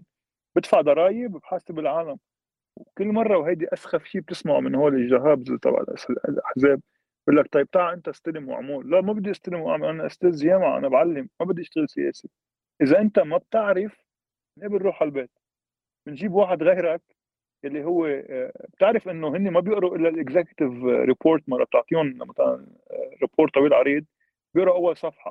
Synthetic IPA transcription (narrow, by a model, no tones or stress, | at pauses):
b̥ɪt̪faʕd̪ɑɾˤɑːjɪbbħaːsɪbɪlʕaːlam | wkɪlːmɑrˤːɑwɦajd̪iʔasxafʃiːb̚t̪ɪsmaʕṵmɪnhoːlɪʒːaɦaːbzt̪ˤɑ̰bʕa̰ʔa̰slʔaħzeːb̚ | ʔʊlːak̚t̪ɑjb̚t̪aːʕʔɪnt̪aʔst̪alɪmwa̰ʕmuːlːamabɪd̪ːiʔɪst̪alɪmuwʔa̰ʕmalʔanaʔʊ̰st̪eːzjeːmaʕʔa̰nabʕalːɪmːabɪd̪ːʔɪʃt̪ɪɣɪlsɪjḛːsi | ʔɪzaʔɪnt̪amab̚t̪ɪʕɾɪf | mɪnʔabɪlɾuːħalbeːt̪ | mɪnʒiːbwaːħɪd̪ɣejɾak | jalːiɦʊwːeb̥̚t̪ɪʕɾɪfʔɪnːoɦɪnːimabjɪʔɾuʔɪlːalʔɪɡzakt̪ɪvɾɪpʰoːɾt̪mɑrˤːɑ̰b̚t̪oʕt̪ˤiːʊnmat̪ala̰n | ɾɪpʰoːɾt̪ːˤɑwiːlʕɑɾˤiːd̪̚ | bjɪʔɾɑʔawːalsˤɑfħɑ̰